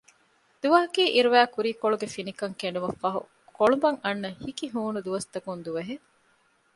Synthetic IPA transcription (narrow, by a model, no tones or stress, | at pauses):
d̪uʋɐɦɐkiːʔiɾuʋæːkuɾiːkoɭuɡefinikɐŋkeɳ̆ɖumɐfɐɦṵ | koɭubɐŋɐnːɐhikiɦuːnud̪uʋɐst̪ɐkund̪uʋeɦe